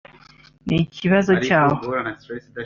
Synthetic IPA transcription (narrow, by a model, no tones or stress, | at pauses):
niciβazɔt͡ʃaːwo